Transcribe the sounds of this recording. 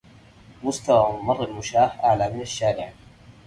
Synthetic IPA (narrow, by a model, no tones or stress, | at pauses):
mʊst̪awaːɪmɑrˤːalmʊʃaːħʔaʕlaːmɪnaʃːaːɾɪʕ